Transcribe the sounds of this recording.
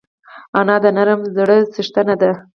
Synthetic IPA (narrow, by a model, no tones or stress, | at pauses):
ɑnɑd̪ənaɾəmzɽəsəʂt̪anad̪a